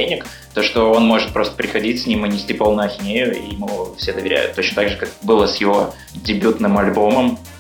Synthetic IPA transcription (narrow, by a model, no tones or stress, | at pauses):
enʲɪk | t̪o̞ʂt̪o̞onmo̞ʐɨt̪̚pɾo̞st̪ə̥pɾʲɪxɐdʲitʲsʲnʲimɨnʲɪsʲtʲipo̞lˠnʊɐxʲɪnʲejʊḭmuvfsʲed̪əvʲɪɾʲæ̰jʊ̰t̪ːo̞t͡ɕnət̪aɡʐɨkak̚bɨlˠəsʲjɪvo̞ | dʲɪbʲut̪nɨmɐlʲboməm